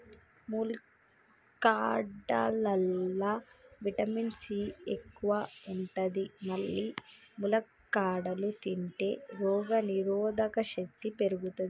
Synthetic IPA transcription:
mul | kaːɖɐlɐlːaːʋiʈɐminsiːekːuʋɐuɳʈɐd̪imɐɭːimulɐ | kːaːɖɐlut̪iɳʈḛːɾɔːɡɐniɾɔːd̪ɐkɐʃɐk̚t̪ːipe̞ɾuɡut̪ɐd̪i

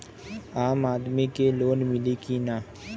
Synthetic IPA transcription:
aːmaːd̪mikeloːnmɪlikinaː

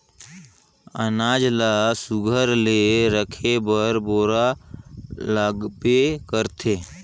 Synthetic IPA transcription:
ənaːd͡ʒlasʊɡʱəɾleɾəkʰebəɾboːɾa | laɡpekəɾt̪ʰeː

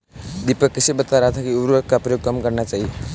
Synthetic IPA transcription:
d̪ipəkːəsibət̪aɾat̪ʰakiuɾʋəkkapɾəjoɡ̚kəmkəɾɳjat͡saɦi

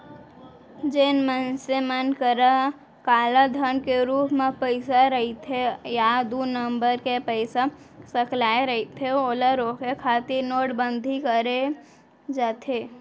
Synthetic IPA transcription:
d͡ʒeːnmənsemənkəɾa | kaːlad̪ʱənkeɾuːpmẽpəɪsaɾəɦit̪ʰejad̪unəmbəɾkepəɪsasəklaːeɾəɦit̪ʰeoːləɾokekʰat̪ɪnoːʈbə̃nd̪ʱikəɾe | d͡ʒat̪ʰe

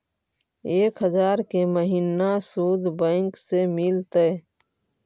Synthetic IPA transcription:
eːkɦəzaːɾkeməɦinasuːd̪ʱbə̃ːŋksemɪlt̪ə

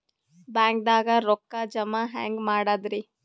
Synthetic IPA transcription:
baːŋk̚d̪aːɡɐɾɔkːad͡ʒɐmaɦa̰ːŋɡmaːɽad̪ɾi

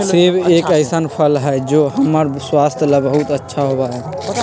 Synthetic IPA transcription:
sebekəɪsənpʰəlɦɛjd͡ʒoɦəməɾswast̪ʰjələbəɦut̪ətːʃʰaɦobaɛ

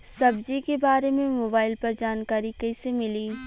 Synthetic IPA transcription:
sɐbd͡ʒikebaːɾemẽmoːbaːɪlpɐɾd͡ʒaːnkaːɾikɐɪsemɪliː

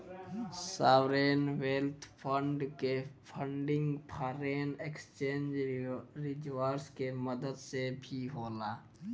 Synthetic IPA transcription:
saːʋɾeːnʋeːlt̪ʰpʰə̃ɳɖkepʰəɳɖɪ̃ŋɡpʰaːɾeːnekst͡ʃẽːnd͡ʒɾɪd͡ʒwaːɾskeməd̪əd̪sebʱiɦoːlaː

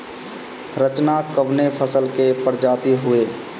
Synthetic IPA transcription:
ɾət͡ʃnakəʋnepʰəsəlkepəɾd͡ʒaːt̪iɦʊeː

